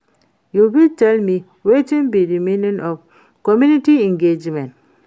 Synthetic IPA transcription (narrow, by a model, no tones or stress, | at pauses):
juwiltɛlmi | wet͡ʃĩnbiɹimẽnjə̃nʔɔv | kɔmjuniʈiɛ̃ŋɡed͡ʒmɛ̃nt